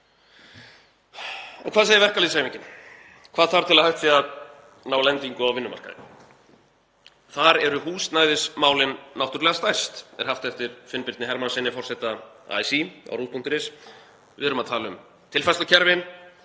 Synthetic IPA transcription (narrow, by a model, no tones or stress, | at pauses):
ɔ̰wkʰvaːðsejɪvɛr̥kalisajmiɲcɪn | kʰvaːðθaɾ̥t̪ʰɪlaðhaht̪fiað | naːwlɛnt̪iŋkʏawvɪnːʏma̰rka̰ðɪ̰ | θaɾɛɾʏhuːst̪najðɪsmaːwlɪnːawht̪ʏɾɛɣast̪ajst̪ɛ̰ɾ̥haft̪ɛft̪ɪɾ̥fɪnpɪɾt̪nɪɦɛɾmansɪnːɪfɔrsɛt̪aa̰ːjsia̰wɾuːt̪pʰuŋ̥t̪ɪɾɪs | vɪ̰ðʏɾʏmaðt̪ʰaːlʏm | t̪ʰɪlfast̪acʰɛɾvɪn